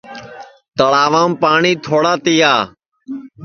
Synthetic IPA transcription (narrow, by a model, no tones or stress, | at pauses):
t̪əɭaːʋaːmpaːɳiːt̪ʰoːɽaːt̪iːaː